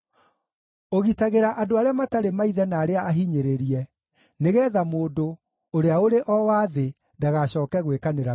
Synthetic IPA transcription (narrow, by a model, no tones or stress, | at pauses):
oɣitaɣeɾaʔadoaɾeamataɾemaiðɛnaːɾeaaɦiɲeɾeɾiɛ | neɣɛːðamoːdo | oɾeaoɾeʔɔwaːðe | ndaɣaɕɔːkɛɣwekaneɾa